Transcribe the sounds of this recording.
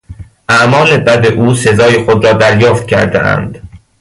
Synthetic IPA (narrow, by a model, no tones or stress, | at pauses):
ʔæʔmɒːle̞bæd̪eʔuːse̞zɒːjexod̪ɾɒːd̪æɾjɒːft̪̚cʲʰæ̰ɾd̪ḛʔæ̰nd̪̥